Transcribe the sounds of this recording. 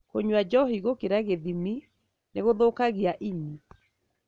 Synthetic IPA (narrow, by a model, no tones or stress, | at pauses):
koɲwad͡ʒɔɦiɣokeɾaɣeðimi | neɣoðokaɣiaʔini